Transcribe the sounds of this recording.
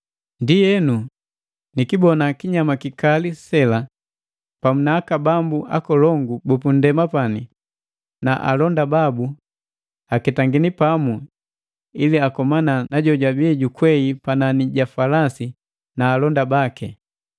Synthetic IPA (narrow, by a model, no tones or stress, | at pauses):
ndijɛnu | nikibɔnakiɲamakikalisɛla | pamunaːkabambuʔakɔlɔŋɡubupun̩dɛmapani | naʔa̰lɔndababu | akɛtaŋɡinipamu | iliakɔmananaɟɔɟwabiɟukwɛipananiɟafalasi | naːlɔndabakɛ